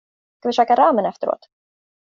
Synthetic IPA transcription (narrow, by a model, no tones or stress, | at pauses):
skʰavɪʃøːkaɾaːmənɛft̪əɾo̰ːt̪